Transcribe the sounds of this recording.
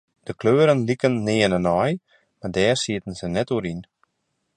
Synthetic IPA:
d̥əkløːɾənlikənːɪːənənɔj | mardɛːrsiətən̩zənɛtuəɾin

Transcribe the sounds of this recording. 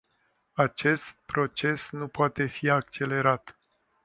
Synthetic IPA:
at͡ʃe̞st̪̚pɾo̞t͡ʃe̞snupoat̪e̞fiak̚t͡ʃe̞le̞ɾat̪

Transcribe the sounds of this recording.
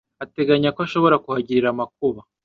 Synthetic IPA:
ate̞ɡaɲakoaʃo̞βo̞ɾakuhaɟiɾiɾamak̚uβa

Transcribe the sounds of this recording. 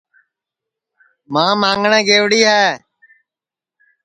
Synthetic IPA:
mãːmãːŋɡɳẽːɡeːʋɽiːɦɛː

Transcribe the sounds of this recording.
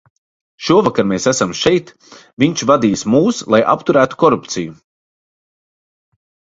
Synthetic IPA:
ʃuɔvakaɾmeːsæsamʃɛjt̪ | viɲt͡ʃvad̪iːsmuːslˠajʔa̰pt̪uɾæːt̪u̥kɔɾupt̪siju

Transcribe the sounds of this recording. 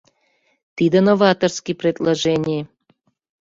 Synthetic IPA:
t̪id̪ənovɑt̪orskijprʲed̪laʒɛnʲij

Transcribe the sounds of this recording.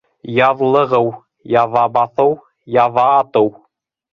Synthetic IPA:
jɑðlˠɤ̆ʁɤw | jɑðɑbɑθɤw | jɑðɑːt̪ɤw

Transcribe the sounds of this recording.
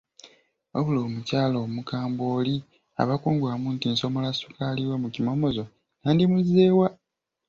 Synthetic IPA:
oβulomucaːlomukaːmboːli | a̰βakuːŋɡwamuntiːnso̞molasukaliwemucimo̞mo̞zo̞ | naːndimuzeːwa

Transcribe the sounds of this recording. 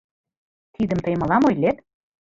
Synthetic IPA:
t̪id̪ə̆mt̪ɤjmɤ̆lɑmojlet̪

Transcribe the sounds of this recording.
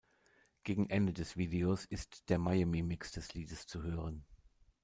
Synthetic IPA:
ɡ̥eːɡŋ̩ʔɛndədɛsv̥iːdeosɪstd̥eːɐmajamimɪksd̥ɛsliːdəst͡suhøːʁ̞ən

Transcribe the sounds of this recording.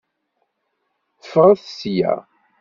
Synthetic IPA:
θə̥fʁˤaθəsjæ̰

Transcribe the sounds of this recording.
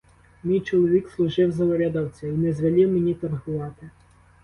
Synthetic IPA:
mʲijt͡ʃɔlˠɔʋʲikslˠʊʒɪwzɐlɔɾʲad̪ɐwt͡sʲɐinɛzʋɐlʲiwmenʲit̪ɐrɦʊʋɑt̪ɪ

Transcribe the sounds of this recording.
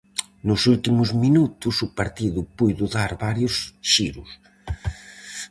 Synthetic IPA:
nʊsult̪imʊzminut̪ʊsʊpaɾt̪iðʊpujðʊðaɾβaɾjʊsʃiɾʊ̰s

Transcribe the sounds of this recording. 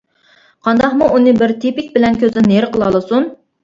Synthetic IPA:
qʰɑnd̪ɑχmuʔunɨbɪɾt̪ʰipɪkʲbɪlɛnkʲʰøzɪneɾqəlˠɑlˠɨsun

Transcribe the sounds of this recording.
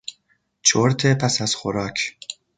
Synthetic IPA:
t͡ʃʰoɾt̪ʰepʰæsæz̥xoɾɒːkʰ

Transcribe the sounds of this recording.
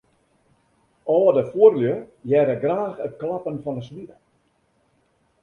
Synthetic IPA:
ɔlədəfuərljəjɛɾəɡraːxət̚klapənfɔnəsʋi

